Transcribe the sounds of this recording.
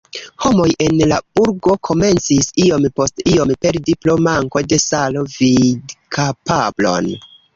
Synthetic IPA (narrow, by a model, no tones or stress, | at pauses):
ho̞mo̞jʔe̞nlab̥uɾɡo̞kʰo̞me̞nt͡sisio̞mpo̞stio̞mpe̞ɾdiplo̞maŋko̞de̞salo̞vidkʰapablo̞̰n